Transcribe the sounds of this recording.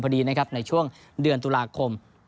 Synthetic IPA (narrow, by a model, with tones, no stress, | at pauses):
mkʰa˧diː˧na˦˥kʰa˦˥p̚na˧jt͡ɕʰu˥˩əŋ | dɯ˧ənt̪uː˧laː˧kʰo˧m